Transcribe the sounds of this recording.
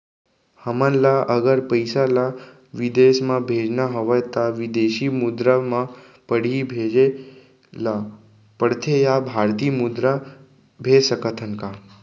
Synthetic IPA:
həmənlaʔəɡəɾpəjsala | ʋid̪esmãbʱed͡ʒnaɦəʋəjt̪aʋid̪eʃimud̪ɾamã | pəɽ̤ibʱed͡ʒe | la | pəɽt̪ʰejabʱaɾt̪iːmud̪ɾa | bʱeːsəkət̪ʰənka

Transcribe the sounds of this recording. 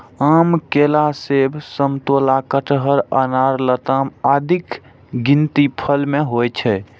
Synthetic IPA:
amkelasebʱsəmt̪olakəʈɦəɾənaɾlət̪amad̪ʱik | ɡint̪ipʰəlmeɦojt͡ʃʰɛ

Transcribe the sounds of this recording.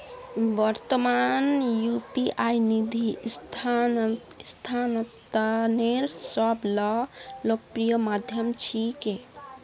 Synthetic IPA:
bəɾt̪əmanjupiʔajnid̪ʱist̪ʰa | st̪ʰant̪aneɾsəblɔlok̚pɾijəmad̪ʱjəmt͡ʃʰike

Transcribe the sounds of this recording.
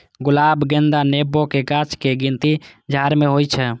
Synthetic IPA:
ɡʊlabɡẽnd̪anebokeɡat͡ʃkeɡint̪id͡ʒʱaɾmeɦojt͡ʃʰɛ

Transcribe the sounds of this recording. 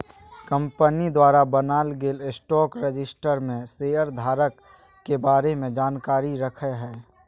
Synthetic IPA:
kə̃mpənid̪waːɾabənaːlɡeːlɪsʈɔːkɾəd͡ʒɪsʈəɾmẽseːəɾd̪ʱaːɾəkː | ebaːɾemẽd͡ʒaːnkaːɾiɾəkʰəɦɛː

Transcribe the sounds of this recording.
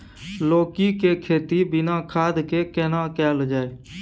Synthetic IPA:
loːkikekʰeːt̪ibɪnaːkʰaːd̪kekɛːnaːkɛːld͡ʒaːeː

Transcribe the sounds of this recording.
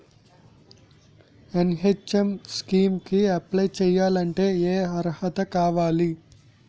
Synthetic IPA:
enɦet͡ʃːɐmskiːmkiɐplɐjt͡ʃɛːjaːlɐɳʈe̞ːeːɐɾhɐt̪ɐkaːʋaːli

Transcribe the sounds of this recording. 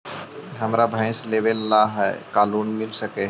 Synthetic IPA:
ɦɐmɾabʱə̃ɪ̃sleːʋelːaɦɛkaːluːnmɪlsəke

